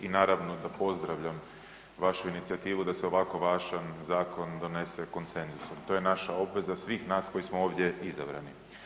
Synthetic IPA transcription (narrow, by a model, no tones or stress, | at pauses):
inaːɾaʋno̞d̪apo̞zd̪ɾaʋʎam | ʋaʃuinit̪siat̪iːʋud̪aseo̞ʋako̞ʋaʒanzaːko̞nd̪o̞ne̞se̞ko̞nt̪se̞nzusomt̪o̞je̞naʃao̞bʋe̞zasʋiːxnaːsko̞jismoo̞ːʋd̪je̞izabɾa̰ni